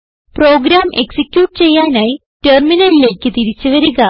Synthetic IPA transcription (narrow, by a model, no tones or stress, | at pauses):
pro̞ːɡɾaːmʔe̞ksikʲjuːʈːɨt͡ɕe̞jːaːnaːji | terminɐlile̞ːkʲːɨt̪iɾit͡ɕːɨʋɐɾuɣɐ